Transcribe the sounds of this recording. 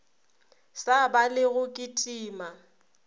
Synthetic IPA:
sabalɪɣʊkʼitʼiːma

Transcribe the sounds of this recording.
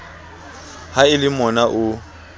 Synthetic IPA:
haɪlɪmɔnaʔʊ

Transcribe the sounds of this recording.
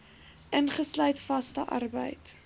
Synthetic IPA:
ʔənχəslœɥtfɐstəʔɐ̰rbə̰jt

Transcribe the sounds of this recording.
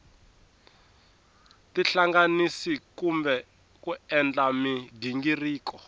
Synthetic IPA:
tiɬaŋɡanisikumbɛ | kuɛnd͡ɮamidiŋɡiriːkɔ

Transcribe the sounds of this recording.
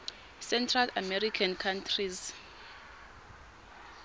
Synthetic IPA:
sɛntʰrala̰mɛɾikʰankʰantʰriz

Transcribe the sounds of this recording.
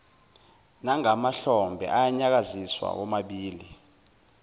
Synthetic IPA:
naŋamaɬɔmbʱɛ̰ʔajaɲak̬aziswa̰k̬ɔmaɓiːli

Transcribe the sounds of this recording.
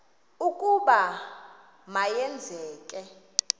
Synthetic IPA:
ukʼuɓa | majɛnd͡zʱɛːkʼɛ

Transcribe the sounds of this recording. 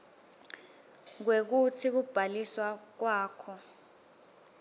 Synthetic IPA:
k̬wek̬utʰik̬ub̥ʱaliswak̬waːkʰɔ

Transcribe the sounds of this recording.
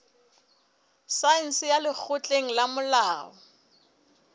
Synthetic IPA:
sain̩sɪjalɪk͡xʰʊt͡ɬʼeŋ̩lamʊlaːɔ

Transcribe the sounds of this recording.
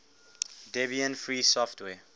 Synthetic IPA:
dɛbiə̃nfɹiːsɔftʰwɛ

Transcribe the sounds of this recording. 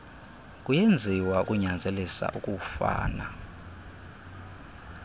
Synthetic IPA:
kʼujend͡zʱiwaukʼuɲand͡zʱelisa̰ʔukʼufa̰ːna

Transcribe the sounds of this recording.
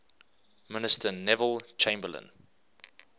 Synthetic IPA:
mɪnɪstənɛvəlˠt͡ʃʰẽɪ̃mbələ̰̃n

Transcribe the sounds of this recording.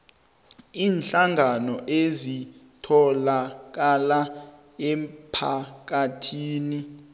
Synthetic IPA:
iːnɬaŋɡʱanɔʔezi | tʰɔlak̬ala | ɛpʰak̬atʰiːni

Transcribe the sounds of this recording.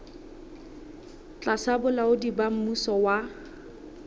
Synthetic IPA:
t͡ɬʼasabʊlaʊdibam̩musɔwa

